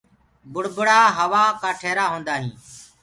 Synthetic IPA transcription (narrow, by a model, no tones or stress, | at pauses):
bʊɽ̤bʊɽaːɦəʋaːkaːʈʰeːɾaːɦõːnd̪aːɦĩː